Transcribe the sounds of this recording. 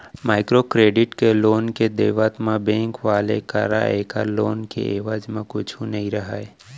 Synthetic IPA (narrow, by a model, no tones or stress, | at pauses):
maːɪkɾokɾeːɖɪʈkeloːnked̪eːʋat̪mabɛ̃ːŋkʋaːlḛka̰ɾa̰eːkaloːnkḛʔeːʋaːd͡ʒmẽkʊt͡ʃʰunɐɦĩɾɐɦae